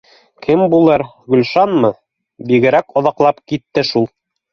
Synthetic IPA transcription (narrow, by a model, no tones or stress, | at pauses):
kʰɘmbulˠɤɾ | ɡɵ̆lʲʃɑnmɤ | biɡɘ̆ɾækŏðɑqlˠɑpkit̪ːɘʃulˠ